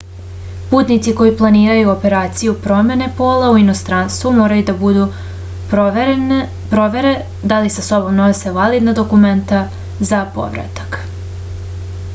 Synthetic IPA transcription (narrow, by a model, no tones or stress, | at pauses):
puːt̪nit̪siko̞jiplˠaniːɾajuope̞ɾaːt̪sijupɾo̞me̞ne̞poːlauino̞st̪ɾanst̪ʋumo̞ːɾajud̪abud̪u | pɾoʋeɾe | d̪alisaso̞bo̞mno̞se̞ʋalid̪nad̪o̞kume̞nt̪a | zapo̞̰ʋɾa̰t̪ḁk